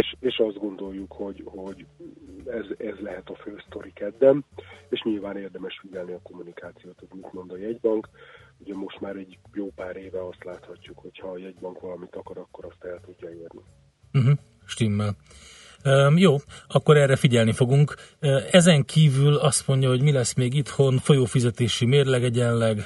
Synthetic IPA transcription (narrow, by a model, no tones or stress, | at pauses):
eʃeːʃɒzd̪̚ɡo̞nd̪o̞jːukho̞ɟho̞ɟ | ɛzɛzlɛɦɛt̪ɒføːst̪o̞ɾikɛd̪ːɛmeːʃɲilvaːneːrd̪ɛmɛʃfiɟɛlniɒko̞mːunikaːt̪sijoːt̪hoɟmit̪mo̞nd̪ɒjɛɟbɒŋkuɟɛmo̞ʃt̪maːɾɛɟjoːpaːɾeːvɛɒst̪laːt̪hɒcːukho̞chɒːjɛɟbɒŋkʋɒlɒmit̪ɒkɒɾɒkːo̞ɾɒst̪ɛlt̪uɟːɒiːrni | m̩ɦ̩ | ʃt̪imːɛl | øjoːɒkːo̞ɾɛrːɛfiɟɛlnifo̞ɡuŋkːɛzɛŋkʰiːvylɒst̪mo̞ɲɟɒɦo̞ɟmilɛsmeːɡit̪ho̞nfo̞joːfizɛt̪eːʃimeːrlɛɡɛɟɛnlɛɡ